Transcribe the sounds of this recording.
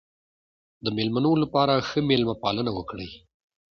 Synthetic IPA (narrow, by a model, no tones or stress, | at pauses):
d̪əmelmanolapɑɾaxəmelmapɑlənawəkɽḛj